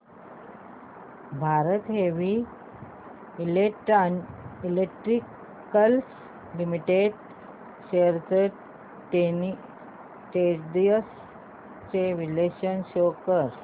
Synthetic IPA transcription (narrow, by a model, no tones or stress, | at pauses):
bʱaɾət̪ɦeʋi | ileʈanilekʈɾikː | əls | limiʈeɖ | ɕeɾt͡seʈ | ʈe | ʈed͡ʑd̪iəs | t͡seʋileɕənɕokəɾ